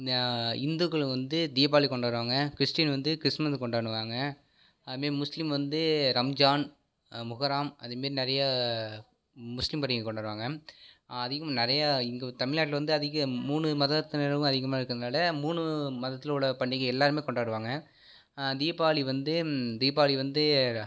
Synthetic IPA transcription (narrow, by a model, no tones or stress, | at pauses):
ɪnd̪uɣɐɭʋɐnd̪ɯd̪ɪjɐp̬ːaːɭikɔɳɖaːɾɯʋaːŋɡɐkɾɪsʈɪjɐnʋɐnd̪ɯkɾɪsmɐskɔɳɖaːɳɯʋaːŋɡɐ | ɐðɐmeːɾimʊslɪmʋɐnd̪ɯɾɐmd͡ʒaːn | mʊɣɐɾaːmɐ̰ðɯpeːɾinɪɾɐjɐ | mʊslɪmpɐɾɪŋkɔɳɖaːɾʋaːŋɡɐ | ɐðɪɣɯmnɐɾɐjaɪŋɡɐt̪ɐmɪɻɭnaːʈːlʋɐnd̪ɯɐðɪɣɐmuːɳɯmɐðɐt̪ːɯnɪɾɐkʊ̃ɐðɪɣɐmaːɪɾɯkːɯɐðnaːlɐmuːɳɯmɐðɐt̪ːɪlʊɭɐpɐɳɖɪkːɐɛlːaːɾɯmeːkɔɳɖaːɽɯʋaːŋɡɐ | d̪ijɐpːaːɭiʋɐnd̪ɯd̪ɪjɐp̬ːaːɭiʋɐnd̪ɯ